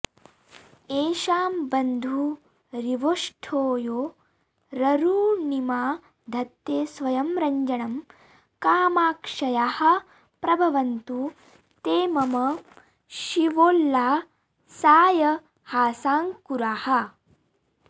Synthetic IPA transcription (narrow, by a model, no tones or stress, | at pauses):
eːʃaːmbɐnd̪ʱu | ɾiʋoːʂʈʰoːjoː | ɾɐɾuːnimaː | d̪ʱɐt̪jeːsʋɐjɐmɾɐɲd͡ʒɐɳɐm | kaːmaːkʂɐjaːhɐ̆ | pɾɐbʱɐʋɐnt̪u | t̪eːmɐmɐ | ʃiʋoːlːaː | saːjɐ | haːsaːŋkuɾaːhɐ̆